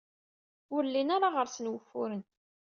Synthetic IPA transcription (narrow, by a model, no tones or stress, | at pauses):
ʊɾlːinaɾaʁəɾsənwəfːʊɾən